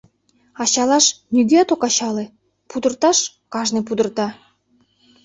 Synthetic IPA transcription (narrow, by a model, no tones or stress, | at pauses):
ɑɕɑlɑʃnʲyɡeɑt̪okɑɕɑlĕ | pud̪ɤ̆rt̪ɑʃ | kɑʒnep̬ud̪ərt̪ɑ